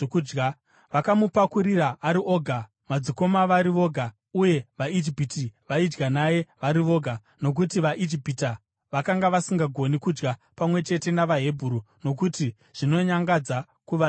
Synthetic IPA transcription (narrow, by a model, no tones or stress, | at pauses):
d͡ʒɡa | ʋakamupakuɾiraʔaɾiʔo̞ɡʱa | mad͡ziko̞maʋaɾiʋo̞ɡʱa | uje̞ʋaid͡ʒipitiʋaid͡ʒɡanajeʋaɾiʋo̞ɡʱa | no̞k̬utiʋaʔid͡ʒipita | ʋakaŋɡaʋasiŋɡaɡʱo̞nikud͡ʒɡapamwe̞t͡ʃe̞te̞naʋaɦe̞bʱuɾu | no̞k̬uti | ʐ̥ino̞ɲaŋɡad͡za | kuʋa